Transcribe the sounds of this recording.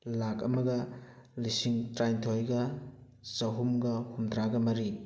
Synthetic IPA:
lak̚ɐmɐɡɐlisiŋtɾajntʰojɡɐ | sɐɦumɡɐhundɾaɡɐmɐɾi

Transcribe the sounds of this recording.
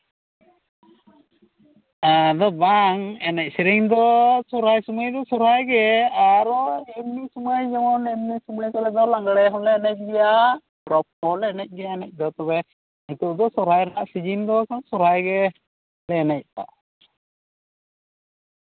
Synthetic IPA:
ad̪ɔbaŋɛnɛc̚sɛɾiŋd̪ɔsɔɾajsumajd̪ɔsɔɾajɡɛaɾɔɛmnisumajd͡ʒɛmɔnɛmnisumajkɔlɛd̪ɔlaŋɡɽɛɦɔlɛɛnɛc̚ˀɡɛja | pɾɔp̚ɔlɛnɛc̚ˀɡɛjaɛnɛc̚ˀd̪ɔt̪ɔbɛ | it̪ud̪ɔsɔɾajɾanaʔsid͡ʒind̪ɔknsɔɾajɡɛ | lɛnɛc̚pa̰ʔ

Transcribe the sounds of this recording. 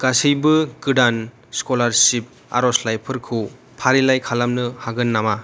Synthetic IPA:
ɡ̥asɯjbɯkɯɖan | skɔlaɾsip̚ | a̰ɾɔslajpʰɯɾkʰɯ | pʰaɾilajkʰalamnɯhaɡɯnːama

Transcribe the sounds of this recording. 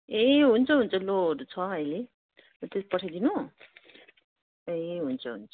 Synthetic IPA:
eɦunt͡sʰʌɦunt͡sʰʌloɾut͡sʰʌɦʌjle | t̪espʌʈʰajd̪inu | eɦunt͡sʰʌɦṵnt͡sʰʌ̥

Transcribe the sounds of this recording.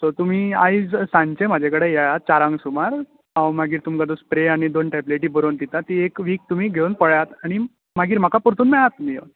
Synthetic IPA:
sot̪um̤iːa̰id͡zsãɲt͡ɕem̤ad͡ʑʱekəɽejajat̪̚t͡ɕaɾãŋɡsumaɾ | awmaɡiːɾt̪umkad̪ospɾeaɽ̃id̪onʈapleʈ̬iːbəɾont̪it̪at̪iekʋiːk̚t̪um̤iːɡʱeɭunpəɭjat̪aɽ̃i | maɡiːɾm̤akapuɾt̪uːnmɛɭat̪ːumijo̰n

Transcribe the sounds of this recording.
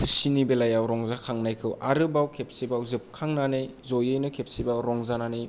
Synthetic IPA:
sinibelajawɾɔŋzakʰaŋnajkʰɯwʔaɾɯbawkʰep̚sibawzɯp̚kʰaŋnanɯjzojɯjnɯkʰep̚sibaɾɔŋzananɯj

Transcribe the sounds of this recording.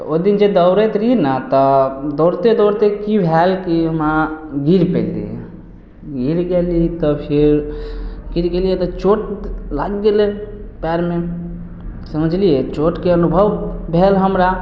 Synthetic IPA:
oid̪ind͡ʒed̪əʊɾet̪ɾinat̪ɔd̪oɾt̪ed̪oɾt̪ekibʱɛlkiəmaɡiɾpɛ̰ld̪ḭḛ | ɡiɾɡelit̪ɔpʰiɾ | ɡiɾɡelijet̪ɔt͡ʃoʈlaɡːelepɛɾme | səməd͡ʒʱlijet͡ʃoʈkeənubʱəʋbʱelɦəmɾa

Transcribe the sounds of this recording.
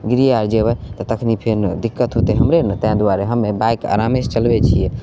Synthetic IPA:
ɡɾijaɾd͡ʒeβɛt̪ɔt̪əkʰnipʰeɾd̪ikːət̪ɦot̪ɛɦəmɾenət̪əɦãd̪uaɾeɦəmːebajka̰ɾamest͡ʃəlbɛt͡ʃʰijɛ

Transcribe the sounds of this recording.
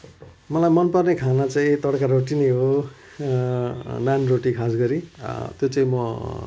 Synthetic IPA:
mʌlajmʌnpʌrnekʰanat͡saĩt̪ʌɽkaɾoʈinʌɦo | nanroʈikʰasɡʌɾit̪jot͡saĩmʌ

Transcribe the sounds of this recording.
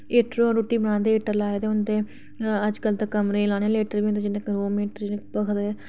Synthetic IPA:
eːʈɾoːɾuːʈːiːbəñãːnd̪eːeːʈəɾlaːed̪eːʊnt̪eː | əd͡ʒkəlt̪aːkəmɾẽːlãːñẽleːʈəɾbiːnt̪ed͡ʒɪnẽːkɾoːmiːʈəɾd͡ʒɪnẽːkpəkʰd̪e

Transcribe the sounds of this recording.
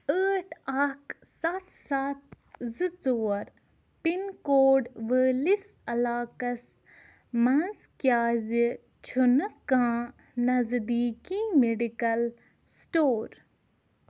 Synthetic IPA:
əːʈaːk | sɐt̪sat̪ | zɨt͡soːɾ | pinkoːɖʋəːlisɐlaːkɐs | mɐnskjaːzi | t͡ʃʰunɨkːãː | nɐzd̪iːkimeɖikɐl | sʈoːɾ

